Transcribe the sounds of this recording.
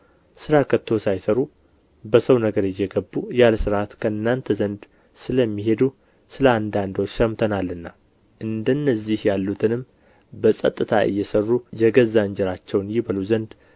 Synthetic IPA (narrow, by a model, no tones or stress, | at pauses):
sɨɾakʰət̪ʰːo̞sajsəɾu | bəsəwnəɡəɾɨjːɛɡəbːujalsɨɾat̪kʰəɨnːant̪ʰəzənd̪ | sɨləmːiɦe̞d̪u | sɨləand̪and̪ot͡ʃːʃəmt̪ʰənalːɨnːa | ʔɨnd̪ənːəzːihjalːut̪ʰɨnɨmː | bəsʼə̰t̪ʼːɨt̪ʰaɨ̰jːɛsərːujɛɡəzaɲd͡ʒɛɾat͡ʃːɛwnjɪβəluzənd̪